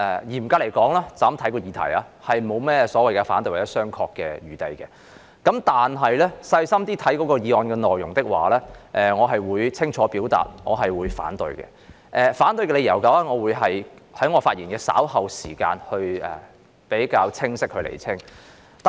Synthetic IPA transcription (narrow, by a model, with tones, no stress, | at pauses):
ʔɛ˨jiː˨˩m̩˨˩kaː˧le˨˩jkɔː˨˥ŋlaː˥t͡saː˨˥mt̪ʰɐ˨˥jkɔː˧jiː˧t̪ʰɐ̰˨˩ja̰˨˧ | hɐ˨jmo˨˧wmɛː˥sɔː˨˥wɐ˨jkɛ˧faː˨˥nt̪ɵ˧jwɐ˨˩jɐ˦˥sœː˥ŋkʰɔː˧kːɛ̰ː˧ɥyː˨t̪ɐ˧jkɛ˧ | kɐ˨˥mt̪aː˨nɦɐ˨jlɛ˥sɐ˧jsɐ˥mt̪iː˥t̪ʰɐ˨˥jkɔː˨˥kɔː˧jiː˨˧ɔː˨˧nkɛː˧nɔː˨˩jjʊ˨˩ŋt̪ɪ˥k̚wa̰ː˨lɛː˥ʔɛ˨ŋɔː˨˧ɦɐ˨jwuː˨˧jt͡sʰɪ˥ŋt͡ʃʰɔː˨˥piː˨˥wt̪a̰ː˨˩t̚ŋɔː˨˧ɦɐ˨jwuː˨˧jfa̰ː˨˥nt̪ɵ˨˧ɥkɛ̰˧ | ʔɛ˨faː˨˥nt̪ɵ˧ɥkɛ˧le˨˧jɐ̰˨˩wka˨˧wɛː˥ŋɔː˨˧wuː˨˧jɦɐ˨jhɐ˨˥jŋɔː˨˧faː˧t̚iː˨˩nkɛː˧sa̰ː˨˥whɐ˨wsiː˨˩ka̰ː˧nhɵ˧ɥɛ̰ː˨˩ | pe˨˥jkaː˧wt͡sʰɪ˥ŋsɪ˥k̚hɵ˧lḛ˨˩jt͡sʰɪ˥ŋ | t̪